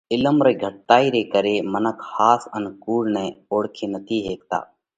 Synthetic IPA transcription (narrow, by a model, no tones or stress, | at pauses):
ɪləmɾeːɡʱəʈ̚t̪aːiːɾeːkəɾeːmənəkʰhaːsənkuːɽnɛ̃ːoːɽkʰeːnət̪ʰiːɦeːk̚t̪a̰ː